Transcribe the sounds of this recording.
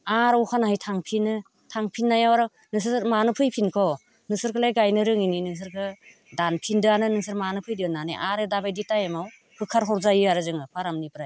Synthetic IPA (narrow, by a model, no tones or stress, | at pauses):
aɾwkʰanahɯjtʰaŋpʰinɯ | tʰaŋpʰinːajawaɾɯ | nɯs̬ɯsɯɾmanɯpʰɯjpʰinkʰɔ | nɯsɯɾkʰɯlajɡajnɯɾɯŋininɯs̬ɯɾkʰɯ | danpʰindɯanɯnɯŋsɯɾmanɯpʰɯjdinanḭʔaɾɯdabajditajamaw | kʰɯkʰːaɾɦɔɾzajɯaɾɯzɯŋɯpʰaɾamnipɾaj